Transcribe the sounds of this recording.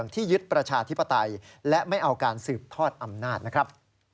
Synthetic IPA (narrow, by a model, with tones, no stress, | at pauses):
əŋt̪ʰiː˥˩jɯ˦˥t̪̚pɾa˧t͡ɕʰaː˧t̪ʰi˦˥pːa˧t̪a˧jlɛ˦˥ʔma˥˩jʔa˧wkaː˧nsɯː˨˩p̚t̪ʰɔː˥˩t̪̚ʔa˧mnaː˥˩t̪̚na˦˥kʰɾa˦˥p̚